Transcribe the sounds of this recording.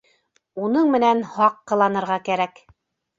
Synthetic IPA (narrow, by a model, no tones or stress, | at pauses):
unɤɴmɘ̆nænhɑqːɤ̆lˠɑnɤ̆ɾʁɑkæɾæk